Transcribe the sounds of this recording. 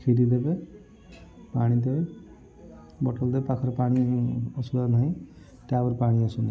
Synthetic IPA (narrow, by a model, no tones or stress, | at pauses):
kʰidid̪ebe | paɽ̃id̪e | bɔʈɔld̪ebepakʰɔɾɔpaɽ̃iɔsuanaj̃ | t̪abɔɾpaɽ̃iasuna